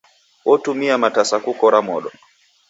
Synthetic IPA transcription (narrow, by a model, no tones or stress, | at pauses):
wɔtumiamatasakukɔɾamɔɗɔ